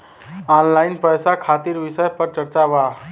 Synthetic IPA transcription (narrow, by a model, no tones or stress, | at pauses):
ɔnlainpəjsakʰat̪iɾʋisəjpəɾt͡ʃəɾt͡ʃaba